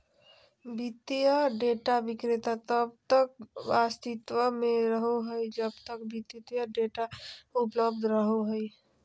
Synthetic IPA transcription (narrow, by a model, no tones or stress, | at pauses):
bit̪jəɖeʈabikɾet̪at̪əb̚t̪ək̚bast̪it̪wəmeɾəɦoɦəjd͡ʒəbt̪ək̚bit̪it̪jəɖeʈaupləbd̪ʱɾəɦoɦəj